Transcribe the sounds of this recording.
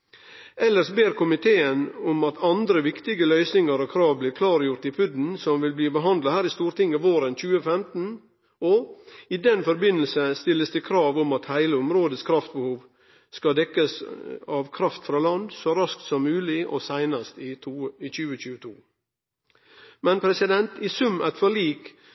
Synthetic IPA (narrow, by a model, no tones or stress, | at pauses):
ɛlːəɾʂbeːɾkʰʊmɪt̪ʰeːənʊmɑt̪ʰɑnd̪ɾəʋɪkt̪ɪɡəlœʏsnɪŋɑɾɔkʰɾɑːʋbliːkʰlɑːɾjʊɾt̪ɪpʰʉd̪n̩sɔmʋɪlbliːbəɦɑnd̪lɑhæːɾɪst̪uːɾt̪ɪŋːəʋoːɾənc͡çʉːəfɛmt̪n̩ | ɔɪd̪ɛnfɔɾbɪnːəlsəst̪ɪlːəsd̪ɛkʰɾɑːʋʊmɑt̪hæɪləʊmɾoːd̪əskʰɾɑft̪̚bəhuːʋ | skɑd̪ɛkːəsɑʋkʰɾɑft̪fɾɑːlɑnd̪sɔɾɑsk̚t̪sɔmːʉːlɪʔɔsæɪnɑst̪ɪt̪ʰuːɪt͡ʃʉːəc͡çʉːət̪ʰuː | mɛnpʰɾɛsɪd̪ɛnt̪ɪsʉmːæt̪fɔɭiːk